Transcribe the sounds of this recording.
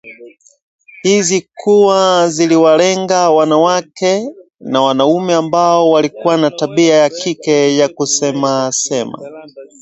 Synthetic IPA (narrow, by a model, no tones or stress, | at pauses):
hizikʰuwaziliwalɛŋɡawanawakɛ | nawanaumɛambaɔwalikuwanataɓiajakʰikɛjakusɛmasɛma̰